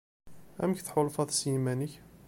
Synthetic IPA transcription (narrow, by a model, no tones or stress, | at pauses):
æ̰mçθħʊlfɑðsjimænəç